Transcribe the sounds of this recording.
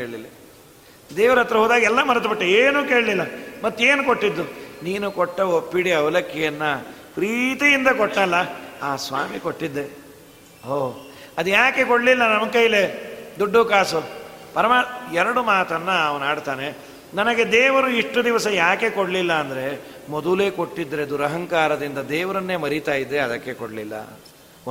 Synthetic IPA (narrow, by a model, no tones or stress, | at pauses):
eːɭlilːi | d̪eːʋɐɾɐt̪ːɾɐɦoːd̪aːɡiɛlːɐmɐɾɐt̪biʈːeeːnuːke̞ːɭlilːɐmɐt̪ːe̞ːnukoʈːid̪ːuniːnukɔʈːɐopːiɽiɐʋɐlɐkʰjɐjɐnːɐ | pɾiːt̪ijind̪ɐkoʈnɐlːɐaːsʋa̰ːmikoʈːid̪ːe | ɦoː | ɐd̪ujaːke̞koɽlilːɐnɐmɐɡkɐjled̪ɔɖːukaːsupɐɾɐmaɛɾɐɽumaːt̪ɐnːɐːʋɐnaːɖt̪aːne̞ | nɐnɐɡe̞d̪ɛːʋɐɾuiʂʈːud̪iʋɐsɐjaːke̞koɽlilːɐːnd̪ɐɾe̞mɔd̪ule̞ːko̞ʈːid̪ːɐɾe̞d̪uɾɐɦɐŋkaːɾɐd̪ind̪ɐd̪ɛːʋɐɾɐnːe̞ːmɐɾit̪aːjid̪ːeɐd̪ɐkːe̞koɽlilːɐ̰